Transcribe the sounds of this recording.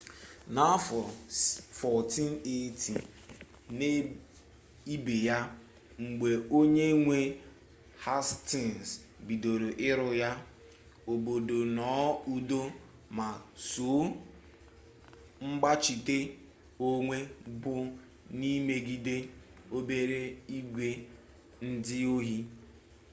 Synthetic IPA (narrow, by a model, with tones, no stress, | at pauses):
na˦fɔ˨fɔ˨ti˦n˦e˦tʰḭ˨ | ne˦ | i˦be˨ja˦ | ŋ͡m̩˨ɡ͡be˨o˦ɲe˦ŋʷe˦ | ha˦sti˨ns | bi˨do˨ɾo˨ʔɪ˦ɾʊ˨ja˦ | o˨bo˨do˨nɔː˨˦u˦do˦ | ma˨su˨˦ | ŋ͡m̩˦ɡ͡ba˦t͡ʃi˨te˦ | o˦ŋʷe˦bʊ˦ | ni˦me˨ɡi˦de˦ | o˦be˦ɾe˦i˦ɡʷe˦ | n̩˦dɪ˦o˦ɦi˦